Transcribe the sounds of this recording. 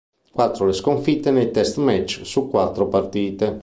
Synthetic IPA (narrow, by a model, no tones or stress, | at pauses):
kwat̪ːɾoleskoɱfit̪ːenejt̪ɛst̪mɛt͡ʃːsukːwat̪ːɾopart̪iːt̪e